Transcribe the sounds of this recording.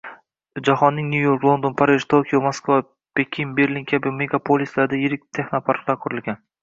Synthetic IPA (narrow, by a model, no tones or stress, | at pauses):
d͡ʒaɦɒnːɪŋnʲujo̞ɾklˠo̞nd̪onpʰaɾɪʒt̪ʰokʰʲijomoskva | pekʲʰɪnbe̞ɾlʲiŋkʲʰabɪme̞ɡapʰolʲislaɾd̪ajɪɾɪk̚ʲt̪ʰe̞xnopʰaɾqlˠaɾkʰʊɾɪlɡʲan